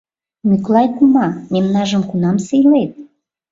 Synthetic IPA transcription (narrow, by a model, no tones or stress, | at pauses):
myklɑjk̪umɑmemnɑʒə̆mkunɑmsejlet̪̚